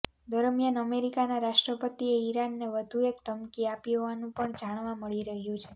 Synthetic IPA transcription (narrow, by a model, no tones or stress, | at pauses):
d̪əɾəmjənəmeɾikanaɾaʃʈɾəpət̪ieiɾanːeʋəd̪ʱuekt̪əmkiapiɦɔʋanũpəɳd͡ʒaɽ̃ʋaməɭiɾəɦjũt͡ʃʰe